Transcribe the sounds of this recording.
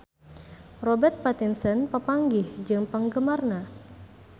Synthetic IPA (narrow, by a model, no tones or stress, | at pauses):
robɛrt̪̚pat̪insənpəpaŋɡɪhd͡ʒɨŋpaŋɡəmarna